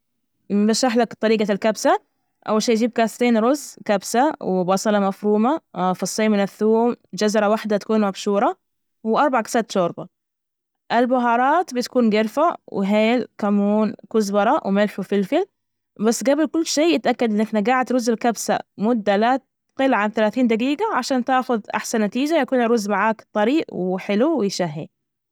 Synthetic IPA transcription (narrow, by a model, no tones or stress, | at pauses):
baʃːaħlakt̪ˤɑɾiːɡalkabsa | ʔa̰wːalʃeːjd͡ʒiːb̚kaːst̪iːnɾʊzːkabsawɪbɑsˤɑlɑmafɾuːmafɑsˤːeːmɪnɪθːuːmd͡ʒazɾˤɑwaħd̪at̪ḁkuːnmabʃuːɾˤɑ | wʔɑɾˤbaʕkḁsaːt̪ʃoːɾba | ʔɪlbʊɦɑːɾˤɑːt̪bɪt̪kuːnɡɪɾfawɪ̰ɦeːlkamuːnkʊzbɑɾˤɑwmɪlħufɪlfɪl | basːɡabɪlkʊlːʃeːjɪt̪ʔakːad̪ʔɪnːɪħnaɡaːʕɪt̪ɾʊzːɪlkabsa̰mʊd̪ːalat̪ | qɪlʕanθalaːθiːnd̪aɡiːɡaʕaʃaːnt̪aːxʊðʔa̰ħsanːat̪iːd͡ʒajakuːnɾʊzːmaʕaːkt̪ˤːɑɾiːʔwħɪluwɪjʃaɦːḭ